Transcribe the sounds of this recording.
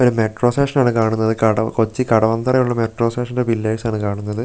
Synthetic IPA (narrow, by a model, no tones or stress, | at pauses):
o̞ɾumeʈro̞ːseːʂɐnaːɳɨkaːɳunːɐðɨkɐɽɐko̞t͡ɕːikɐɽɐʋɐnd̪ɐrɐjuɭːɐmeʈro̞ːseːʂɐndebilːeːjsaːɳɨkaːɳunːɐðɨ